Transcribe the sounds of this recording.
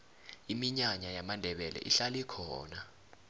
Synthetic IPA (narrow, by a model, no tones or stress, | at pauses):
imiɲaɲajamandʱɛɓɛlɛ̰ʔiɬalikʰɔ̰ːna